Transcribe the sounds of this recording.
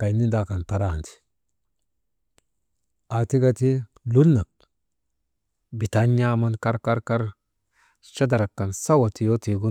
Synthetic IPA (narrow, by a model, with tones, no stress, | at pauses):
ka˨jni˦nda˦ka˨nta˨ɾa˦˨nt̪i̥˨ | a˨ti˦ɡa˦t̪i˦ | lu˦lːa˨k̚ | bi˨t̪a˦ɲja˦ma˦nka˦ɾka˦ɾka˦ɾ | ʃa˦da˨ɾa˨kːa˨nsa˦wa˨ti˨jo˦ti˨ɡu˦